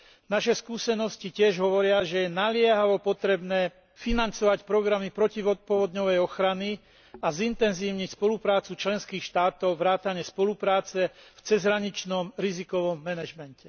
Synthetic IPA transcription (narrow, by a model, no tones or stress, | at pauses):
naʃɛskuːsɛnɔscicɪɛʒɦɔʋɔɾɪaʒɛjɛnalɪɛɦaʋɔpɔt̪ɾɛbnɛː | finant͡sɔʋacpɾɔɡɾamipɾɔciʋɔt̪̚pɔʋɔd̪ɲɔʋɛjɔxɾani | azint̪ɛnziːʊɲicspɔlupɾaːt͡sut͡ʃlɛnskiːxʃt̪aːt̪ɔʊʋɾaːt̪aɲɛspɔlupɾaːt͡sɛft͡sɛzɦɾaɲit͡ʃnɔmɾizikɔʋɔmːɛnaʒmɛncɛ